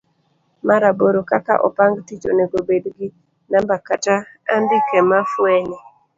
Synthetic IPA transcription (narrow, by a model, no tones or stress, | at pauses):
maɾaboɾokaka̰ʔɔ̰paŋɡtit͡ʃo̰neɡobedɡɪ | nambakataandikɛmafwɛnɛ